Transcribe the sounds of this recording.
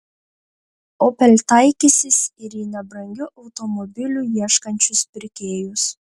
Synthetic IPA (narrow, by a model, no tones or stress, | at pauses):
oːpʲɛlʲt̪ɐɪkʲisʲɪsɪɾiːnʲɛbɾɐŋʲɡʲʊʔɐʊt̪ɔmɔbʲɪlʲuːjiɛʃkɐnʲt͡ʃʲʊspʲɪɾʲkʲeːjʊs